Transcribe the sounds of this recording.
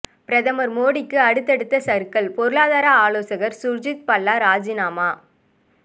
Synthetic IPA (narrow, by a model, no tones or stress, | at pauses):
pɪɾɐðɐmɐɾmoːɽɪkːɯɐɽɯt̪ːɛɽɯt̪ːɐsɐɾkɐɭpɔɾɯɭaːðaːɾɐaːloːsɐɣɐɾsʊɾd͡ʒɪt̪̚pɐlːaːɾaːd͡ʒɪnaːmaː